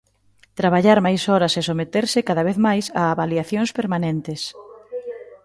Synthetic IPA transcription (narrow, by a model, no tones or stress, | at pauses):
t̪ɾaβ̞aʎaɾmajsɔɾɐsesomet̪eɾsɪkaðaβeθmajsaːβaliaθjõŋspeɾmanent̪ɪs